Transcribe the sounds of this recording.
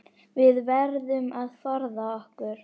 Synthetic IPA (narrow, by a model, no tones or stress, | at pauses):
vɪðvɛɾðʏmaðθɔɾðaɔhkʏɾ̥